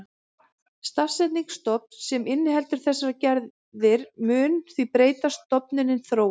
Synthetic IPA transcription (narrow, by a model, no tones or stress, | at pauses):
st̪afsːɛt̪niŋkst̪ɔp̚n̥sɛmɪnːɪɦɛlt̪ʏɾ̥θɛsːacɛɾ | ðɪɾ̥mʏːnθvipɾeːjt̪ast̪ɔpnɪnɪnθɾoːw